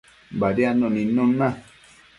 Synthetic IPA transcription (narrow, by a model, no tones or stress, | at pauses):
baɾianõnĩnõnã